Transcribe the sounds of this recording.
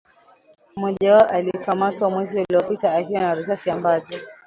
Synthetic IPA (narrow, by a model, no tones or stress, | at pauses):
mɔʄawaɔʔalikamatwamwɛziuliɔpitaːɦiwanaɾusasiambazi